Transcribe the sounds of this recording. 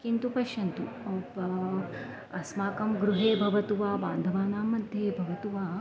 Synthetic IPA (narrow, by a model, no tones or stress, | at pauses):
kint̪upɐʃɐnt̪u | ɐsmaːkɐmɡɾuɦeːbʱɐʋɐt̪uʋaːbaːnd̪ʱɐʋaːnaːmɐnd̪ʱjeːbʱɐʋɐt̪uʋaː